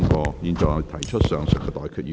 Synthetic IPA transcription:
ŋkɔː˧jiː˨˧˩nt͡sɔ˨ŋɐ˨˩t̪ʰɐ˨˩jt͡ʃʰə˥t̚sœː˨ŋsœ˨˩kːɛː˧t̪ɔː˨˩jkʰyː˧˩

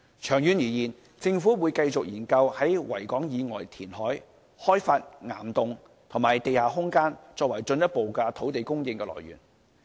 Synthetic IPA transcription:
t͡ʃʰœː˨˩ŋjyː˨˥njiː˨˩jiː˨˩n | t͡sɪ˧ŋfuː˨˥wu˨˧jkɐ˧jt͡sʊ˨k̚jiː˨˩nkɐ˧whɐ˨˥jwɐ̰˨˩jkɔː˨˥ŋjiː˨˧ŋɔː˨˩jt̪ʰiː˨˩nɦɔː˨˥j | hɔː˥jfaː˧t̚ŋa̰ː˨˩mt̪ʊ˨ŋ | t̪ʰʊ˨˩ŋmaː˨˩jt̪e˨jhaː˨ɦʊ˥ŋkaː˥nt͡sɔː˧k̚wɐ˨˩jt͡sɵ˧njɐ˥t̚po˨wkɐː˧t̪ʰo˨˥wt̪e˨jkʊ˥ŋjɪ˧ŋkɛː˧lɔ̰ː˨jɥy̰ː˨˩n

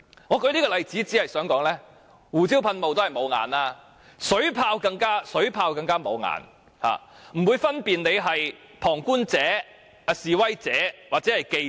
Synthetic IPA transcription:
ŋɔː˨˧kɵ˧˥jliː˥kɔː˧lɐ˨jt͡siː˨˥t͡si˨˥hɐ˨jsœː˨˥ŋkɔː˨˥ŋlɛː˥ | wuː˨˩t͡siː˥wpʰɐ˧nmo˨wt̪o˥hɐ˨˩jmo˨˧wŋa̰ː˨naː˥ | sɵ˨˥ɥpʰaː˧wkɐ˧ŋkaː˥sɵ˨˥ɥpʰaː˧wkɐ˧ŋkaː˥mo˨˧wŋa̰ː˨˧n | ha̰ː˨m̩˨˩wuː˨˧jfɐ˥npiː˨nne˨˧jɦɐ˨j | pʰɔː˨˩ŋkuː˥nt͡sɛː˨˥ | a˧siː˨˩wɐ˥jt͡sɛː˨˥waː˨t̚t͡sɛː˨˥hɐ˨jke˧

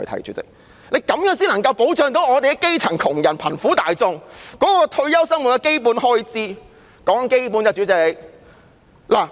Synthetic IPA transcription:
jt̪ʰɐ̰˨˩jt͡ʃy̰ː˨˥t͡sɪ̰˨k̚ | le˨˧jkɐ˨˥mjœː˨˥ŋsiː˥nlɐ˨˩ŋkɐ˧wpo˨˥wt͡ʃœː˨ŋt̪o˨˥wŋɔː˨˧t̪e˨jɡɛ˧˥ke˥jt͡sʰɐ˨˩ŋkʰʊ˨˩ŋjɐ˨˩npʰɐ˨˩nfuː˨˥t̪aː˨jt͡sʊ˧ŋkɔː˨˥kɔː˧t̪ʰɵ˧ɥjɐ˥wsɐ˥ŋmw̚kɛ˧ke˥jp̬uː˨˥nhɔː˥jt͡siː˥ | kɔː˨˥ŋɐ˨ŋke˥jpu˨˥njɐ˨˧t͡ʃyː˨˥t͡sɪ˨˧k̚ | laː˨˩

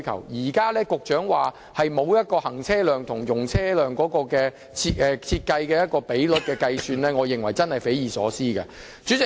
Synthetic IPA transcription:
kʰɐ̰˨˩wjiː˨˩kaː˥lɛː˥kʊ˨k̚t͡ʃœː˨˥ŋwaː˨ | hɐ˨jmo˨˧wjɐ˥t̚kɔː˧hɐ˨˩ŋt͡sʰɛː˥lœː˨ŋt̪ʰʊ˨˩ŋjʊ˨˩ŋt͡sʰɛː˥lœː˨ŋkɔː˨˥kɔː˧kɛː˧ | t͡sʰi˧ʔɛː˨˧t͡sʰiː˧t̚kɐ˧jkɛː˧jɐ˥t̚kɔː˧pe˨˥jlʊ˨˥t̚kɛː˧kɐ˧jsyː˧nlɛː˥ŋɔː˨˧jɪ˨ŋwɐ˨˩jt͡sɐ˥nhɐ˨jfe˨˥jiː˨˩sɔ̰ː˨˥siː˥kɐ̰ː˧ | t͡ʃyː˨˥t͡sɪ˨

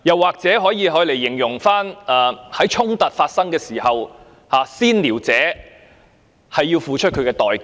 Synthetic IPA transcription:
jɐ˨wːaː˨k̚t͡sɛː˨˥ɦɔː˨˥jiː˨˧ɦɔː˨˥jle˨˩jːɪ˨˩ŋjʊ˨˩ŋfaː˥naː˨hɐ˨˥jt͡ʃʰʊ˥ŋt̪ɐ˨t̚faː˧t̚sɐ˥ŋkɛː˧siː˨˩hɐ˨w | haː˨˧siː˥nliː˨˩wt͡sɛː˨˥ | hɐ˨jːiː˧wfuː˨t͡ʃʰɵ˥t̚kʰɵ˨˧ɥkɛː˧t̪ɔː˨j

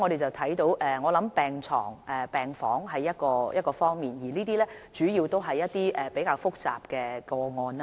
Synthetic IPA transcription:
ŋɔ˨˧ɾe˨jt͡sɐ˨˩wt̪ʰɐ˨˥jt̪o˨˥wʔɛː˨˧ŋɔː˨˧lɐ˨˥mpɛː˨ŋt͡sʰɔ̰ː˨˩ŋʔɛ˨pɛː˨ŋfɔː˨˥ŋɦɐ˨˧jːɐ˥t̚kɔː˧jɐ˥t̚kɔː˧fɔː˥ŋmiː˨njiː˨˩liː˥t̪iː˥lɛː˥ | t͡ʃyː˨˥jiː˧wt̪o˥wɦɐ˨jːɐ˥t̚t̪iː˥ʔɛ˨pe˨˥jkaː˧wfʊ˥k̚t͡sa̰ː˨p̚kɛː˧kɔː˧ŋɔː˧na˦

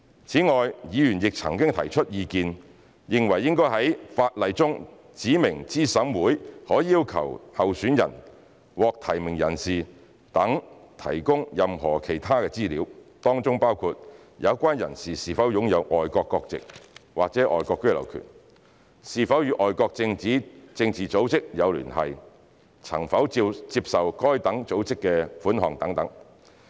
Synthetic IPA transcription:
t͡sʰiː˨˥ŋɔː˨jjiː˨˧jyː˨˩njɪ˨k̚t͡sʰɐ̰˨˩ŋkɪ˥ŋt̪ʰɐ˨˩jt͡ʃʰɵ˥t̚jiː˨˧kiː˧n | jɪ˨ŋwɐ˨˩jːɪ˥ŋkɔː˥jɦɐ˨˥jfaː˧t̚lɐ˨˧jt͡sʊ˥ŋ | t͡siː˨˥mɪ˨˩ŋt͡siː˥sɐ˨˥mwuː˨˥jhɔː˨˥jːiː˥wkʰɐ̰˨˩whɐ˨wsyː˨˥njɐ̰˨˩n | wɔː˨˧k̚t̪ʰɐ˨˩jmɪ˨˩ŋjɐ̰˨˩nsiː˨ | t̪ɐ˨˥ŋt̪ʰɐ̰˨˩jkʊ˥ŋjɐ˨mɦɔː˨˩kʰe˨˩jt̪ʰaː˥kɛː˧t͡siː˥liː˨˥wt̪ɔː˥ŋt͡sʊ˥ŋpaː˥wkʰuː˧t̚ | jɐ˨˧wkʷaː˥njɐ̰˨˩nsiː˨˩siː˨fɐ˨˥wjʊ˨˧˥ŋjɐ˨˧wʔɔː˨jkɔː˧kːɔː˧k̚t͡sɪ̰˨k̚waː˨k̚t͡sɛː˨˥ʔɔ̰ː˨˩jkɔː˧kːɵ˥ɥlɐ̰˨˩wkʰy̰˨˩n | siː˨˩fɐ˨˥wjyː˨˧˥ʔɔː˨jkɔː˧k̚t͡sɪ˧ŋt͡siː˨˥t͡sɪ˧ŋt͡siː˨t͡so˨˥wt͡sɪ˥k̚jɐ˨˧wly̰ː˨˩nhɐ̰˨j | t͡sʰɐ̰˨˩ŋfɐ˨˥wt͡siː˧p̚sɐ˨wkɔː˥jt̪ɐ˨˥ŋt͡so˨˥wt͡sɪ˥kːɛː˧fuː˨˥nɦɔː˨˩ŋt̪ɐ˨˥ŋt̪ɐ˨˥ŋ

